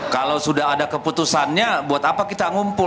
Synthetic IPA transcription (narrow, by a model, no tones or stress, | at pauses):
kalawsudaɦadakəput̪usanɲabuat̪apakit̪aŋumpʊ